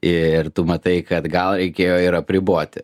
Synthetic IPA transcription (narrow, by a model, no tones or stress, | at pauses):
ɪrt̪ʊmɐt̪ɐɪkɐt̪ɡɐlˠɾʲɛɪkʲeːjoːɪɾɐpʲɾʲɪboːt̪ʲɪ